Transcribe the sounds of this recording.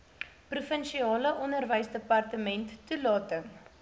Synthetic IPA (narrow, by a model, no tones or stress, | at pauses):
prufənʃiɑːləʔɔnərvəjsdəpɐrtəmɛntːulɑːtəŋ